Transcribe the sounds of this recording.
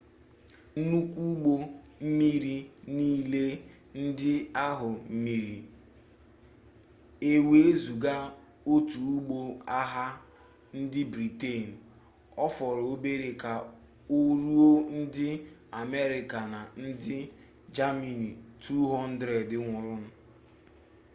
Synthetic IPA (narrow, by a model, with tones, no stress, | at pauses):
n̩˦nu˦kʷu˦ɡ͡bo˦ | m̩˦mi˦ɾi˦niː˦le˦ | n̩˦dɪ˦a˦ɦʊ˨m̩˦mi˨ɾi˨ | e˨we˨e˦zu˨ɡa˦ | o˦tu˨u˦ɡ͡bo˦a˦ɦa˦ | n̩˦dɪ˦bɾi˨te˦˨n̩˨ | ɔ˦fɔ˨ɾo˦be˦ɾe˨ka˨ | o˦ɾu˦o˦n̩˦dɪ˦a˨me˦ɾɪ˨ka˨na˨n̩˦dɪ˦ | d͡ʒa˦mi˨ni˨tʰu˦ɦɔ˦n̩˦dɾe˨dɪ˦ŋʷʊ˨ɾʊ˦n̩˦